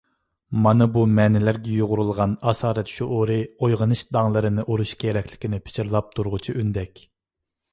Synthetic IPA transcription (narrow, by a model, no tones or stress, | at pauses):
mɑnɨbumɛnɛlæɾɡʲɛjoʁʊɾulˠʁɑnɑːsɑːɾɛt̪ʃuʔoɾɨojʁənɨʃd̪ɑŋlˠɨɾɨnɨʔoɾuʃkʲʰeɾɛkʲlɪ̥kʲinɪpʰɪ̥t͡ʃʰiɾlˠɑp̚t̪ʰuɾʁʊt͡ʃʰiʔynd̪ɛkʲ